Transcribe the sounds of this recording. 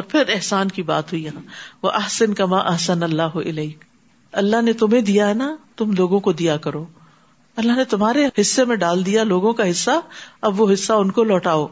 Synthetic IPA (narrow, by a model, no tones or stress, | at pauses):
ɔːɾpʰɪɾɪɦsaːnkiba̰ːt̪ɦuijɦãːʋɐʔɐhsɐnkɐmaːʔɐhsɐnɐlːaːɦʊʔɪlɛːk | ɐlːaɦnet̪ʊmẽd̪ijaɦɛnat̪ʊmloːɡõkod̪ijakɐɾoː | ɐlːaɦnet̪ʊmɦaːɾehɪsːemẽɖaːld̪ijaloːɡõkaɦɪsːaɐbʋoɦɪsːaʊnkolɔːʈaːoː